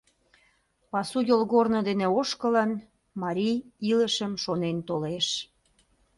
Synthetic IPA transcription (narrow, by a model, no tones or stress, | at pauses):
pɑsujolɣornod̪eneoʃkələn | mɑɾʲijilə̆ʃəmʃonent̪oleʃ